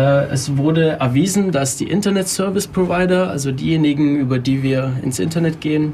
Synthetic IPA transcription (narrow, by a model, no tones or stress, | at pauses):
ʔɛ̰svʊɐdəɛɐviːzn̩dasd̥ḭːʔɪntɐnɛtsœɐvɪspʁ̥ovaɪdɐʔa̰lzodḭːjeːnɪɡŋ̩ʔyːbɐdiːviːɐɪ̰nsʔɪ̰ntɐnɛtɡ̥eːən